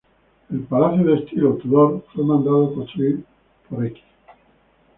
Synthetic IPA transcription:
e̞lpalaθjoðest̪ilot̪uðoɾfwemãnd̪aðokonst̪ɾuiɾ | poɾeki̥

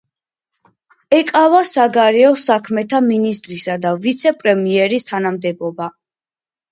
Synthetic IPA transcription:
ɛkʼavasaɡaɾɛɔsakʰmɛt̪ʰaminist̪ʼɾisad̪avit̪sʰɛpʼɾɛmiɛɾist̪ʰanamd̪ɛbɔba

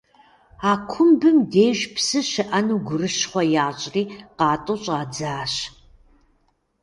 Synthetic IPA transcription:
aːkʷʰʊmbɨmdeːʒpʰsɨʃɨʔɐnuɡʷʊrɨʃχʷɐjaːɕʼriːqɑːtʼʊɕʼaːd͡zaːɕ

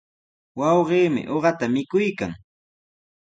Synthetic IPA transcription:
wɑwɢiːmɪ̰ʔoɢɑt̪amɪkʊjkaŋ

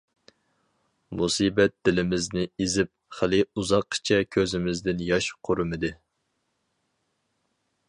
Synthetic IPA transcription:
musiːbɛt̪̚d̪̥ɪlɪmɪznɪizɪp̚χəlɪuzɑqːʰt͡ʃʰɛkʲʰøzɪmɪzd̪ɪnjɑʃqʰoɾɨmɨd̪ɨ

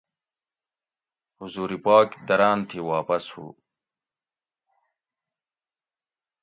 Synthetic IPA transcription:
huzuːɾipaːkd̪ɐɾaːnt̪ʰiwaːpɐshṵ

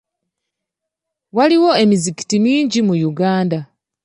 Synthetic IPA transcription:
waliwo̞e̞miziki̥timiːɲɟimujuɡaːnda

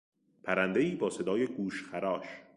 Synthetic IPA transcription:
pʰæɾænd̪eiːbɒːse̞d̪ɒːjeɡuːʃxæɾɒːʃ

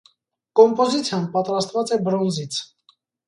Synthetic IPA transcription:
kɔmpɔzit͡sʰjɑnpɑt̪ɾɑst̪vɑt͡sɛbɾɔnzit͡sʰ

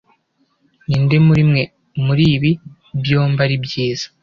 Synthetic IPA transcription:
niːndemuɾimŋe̞ | muɾiːβi | bjo̞ːmbaɾibjiːz̥ḁ

